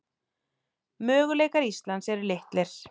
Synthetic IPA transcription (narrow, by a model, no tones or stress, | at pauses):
mœːɣʏleːjkaɾist̪lansɛɾʏɾleht̪lɪɾ̥